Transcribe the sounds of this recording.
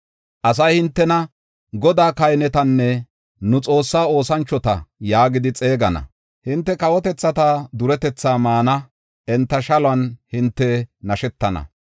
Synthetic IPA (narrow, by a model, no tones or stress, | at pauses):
ʔɐs̬ɐjhɪnt̪ːɛnɐ | ɡɔd̪aːkɐjnɛt̪ɐnːɛ | nʊt͡sʼo̞ːsːaːo̞ːsɐnt͡ʃːɔt̪ɐ̰jaːɡɪd̪ɪt͡sʼe̞ːɡɐnɐ̰ | hɪnt̪ːɛkɐwɔt̪ɛt͡sːɐt̪ɐd̪ʊɾɛt̪ɛt͡sːaːmaːnɐ | ʔɛnt̪ːɐʃɐlʊɐnhɪnt̪ːɛnɐʃɛt̪ːɐnɐ̰